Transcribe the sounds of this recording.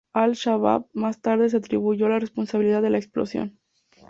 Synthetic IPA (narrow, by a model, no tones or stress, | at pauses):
alʃaβa̰βmast̪aɾðe̞s̬eat̪ɾiβuʝo̞larespo̞nsaβiliðaðe̞laeksplo̞̰sjo̞̰n